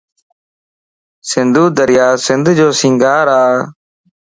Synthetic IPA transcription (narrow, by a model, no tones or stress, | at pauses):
sɪnd̪ʱuːd̪əɾɪjaːsɪnd̪ʱd͡ʒoːsɪ̃ŋɡaːɾaː